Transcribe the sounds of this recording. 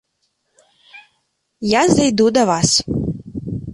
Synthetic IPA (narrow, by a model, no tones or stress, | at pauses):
jazajd̪ud̪aʋas